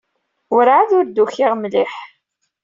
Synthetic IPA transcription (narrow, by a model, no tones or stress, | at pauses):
ɾʕaðʊɾd̪uçɪʁmlɪħ